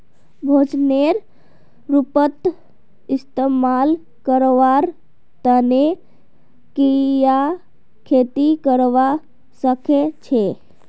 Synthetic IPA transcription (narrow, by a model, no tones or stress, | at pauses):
bʱod͡ʒneɾ | ɾupət̪ | ist̪emal | kəɾʋaɾ | t̪əne | kija | kʰet̪ikəɾʋa | səket͡ʃʰe